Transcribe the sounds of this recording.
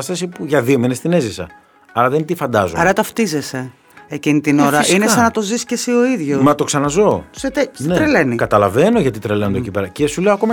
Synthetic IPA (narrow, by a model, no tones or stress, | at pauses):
ɐst̪ɐsipuʝɐðiominest̪ine̞zisɐ̰ | ɐlɐðent̪ifɐnd̪ɐzoɐɾɐt̪ɐft̪ize̞se̞ | ecinit̪ino̞ɾɐʔinesɐnɐt̪o̞ziscesio̞iðʝomɐt̪o̞ksɐnɐzo̞set̪esnet̪ɾelenikɐt̪ɐlɐve̞noʝɐt̪it̪ɾelend̪ocipeɾɐcesuleoko̞mɐ